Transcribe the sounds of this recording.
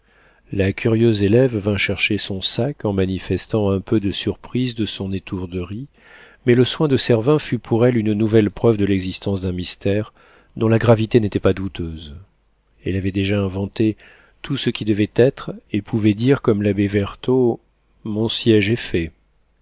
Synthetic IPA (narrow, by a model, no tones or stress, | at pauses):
lakʲʰyʁjøzelɛvːɛ̃ʃɛʁʃesɔ̃sakɑ̃manifɛst̪ɑ̃ɛ̃pʰød̪əsyʁpχizd̪əsɔ̃net̪ʰuʁd̪əʁi | mɛləswɛ̃d̪əsɛʁvɛ̃fypʰuʁɛlynnuvɛlpχœvd̪əlɛɡzist̪ɑ̃sd̪ɛ̃mist̪ɛʁ | d̪ɔ̃laɡʁavit̪enet̪ɛpad̪ut̪ʰøz | ɛlavɛd̪eʒaɛ̃vɑ̃t̪e | t̪ʰusəkʲid̪əvɛt̪ɛt̪χepʰuvɛd̪iʁkɔmlabevɛʁt̪o | mɔ̃sjɛʒɛfɛ